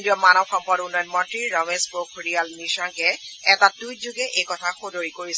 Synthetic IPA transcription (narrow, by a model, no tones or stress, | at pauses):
ndiɔmanɔxɔmpɔɾunɔjɔnmɔntɹiɹɔmezbokʰɹijalmisɔŋkɛɛtadujzuɡɛʔejkɔtʰaxodoɹikoɹis